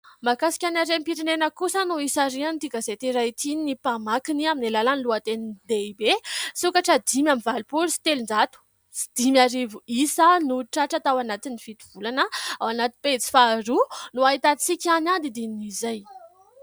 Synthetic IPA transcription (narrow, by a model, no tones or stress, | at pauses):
makasi̥kʲanaɾempiɾinenəkusənuisaɾianit̪iɡazet̪iɾat̪inipamakiniaminilalanluat̪ennd̪ebesukaʈ͡ʂəd̪imjamivalipulusi̥t̪elund͡zat̪u̥ | si̥d̪̥imaɾivuisanuʈ͡ʂaʈ͡ʂat̪awanat̪inifit̪i̥v̥ulanəawanat̪inpet͡si̥faɾunuait̪at͡sikʲanad̪id̪iniizaj